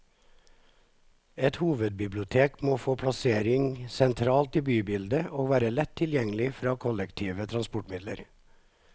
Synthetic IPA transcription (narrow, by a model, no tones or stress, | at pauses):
ɛt̪huːʋəd̪̚bɪblɪʊt̪ʰeːkmoːfoːpʰɽɑseːɾɪŋsɛnt̪ʰɾɑːlt̪iːbyːbɪld̪əʔoːʋæːɾəlɛt̪ʰːɪljɛŋlɪfɾɑːkʰɔlɛkt̪ʰiːʋət̪ʰɾɑnspɔʈmɪd̪lə̰ɾ